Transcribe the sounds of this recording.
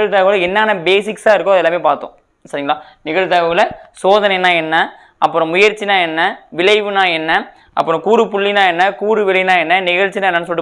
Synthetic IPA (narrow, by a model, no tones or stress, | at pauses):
ɐɻt̪ɐːʋɐɣɐlɐɛnːaːnɐbeːsɪksaːɪɾɯkːõɐðɛlːaːmeːpaːɾt̪õ̰ | sɐɾɪŋɡɐɭaːnɪɣɐɻt̪ɐːʋɐɣɐɭɐsoːðɐnɐɪnãːɛnːɐ | ʔɐpːɯɾɔ̃mʊjɐɾt͡ʃːinãːɛnːɐʋɪlɐɪʋɯnãːɛnːɐ | ʔɐ̰pːɯɾɔ̃kuːɾɯpʊɭːinãːɛnːɐkuːɾɯʋɪlɪnãːɛnːɐnɪɣɐɻt͡ʃːinaːɛnːɐnːɯsɔlɪʈːɯ